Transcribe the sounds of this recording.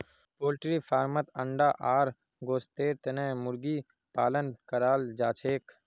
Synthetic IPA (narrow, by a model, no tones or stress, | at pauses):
poːlʈɾiːfʰaːɾmət̪əɳɖaːʔaːɾ | ɡoːst̪eːɾt̪ənẽːmʊɾɡiː | paːlənkəɾaːld͡ʒaːt͡ʃʰeːk